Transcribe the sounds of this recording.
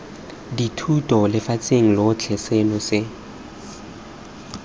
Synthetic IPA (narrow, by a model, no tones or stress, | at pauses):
ditʰutʼɔlɪfat͡sʼeŋ̩lot͡ɬʰɛsɛlɔsɪ